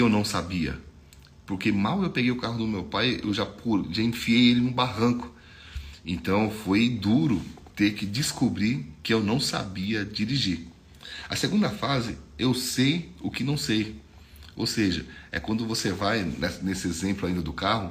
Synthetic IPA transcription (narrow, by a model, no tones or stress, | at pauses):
ewnɐ̃w̃sabiɐ̰ | poɾkemawewpeɡejʊkaɦʊd̪ʊmewpajḛwʒapʰoʒaĩfiejelɪũbaɦɐ̃kʊ̥ | ẽnt̪ɐ̃w̃fojd̪uɾʊ | t̪eɾkɪd͡ʒɪskubɾikɪewnɐ̃w̃sa̰biɐd͡ʒiɾiʒiɾ | ɐseɡũnd̪ɐfazɪewsejʊkɪnɐ̃w̃sej | o̰wseʒɐɛ̰kwɐ̃nd̪ʊvosevajnɛsnesɪezẽmplʊaĩnd̪ɐd̪ʊkaɦʊ